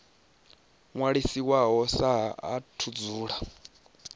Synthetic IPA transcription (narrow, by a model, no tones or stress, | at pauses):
ŋwaɺisiwaɦɔsaɦa̰tʰud͡zuːɺa